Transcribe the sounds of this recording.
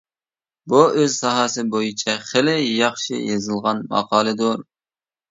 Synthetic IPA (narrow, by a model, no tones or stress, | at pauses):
buøzsɑɦɑːsɨbojit͡ʃʰɛχɪlɪjɑχʃɪ̰jɑzɨlˠʁɑnmɑ̰qʰɑːlˠɨd̪uɾ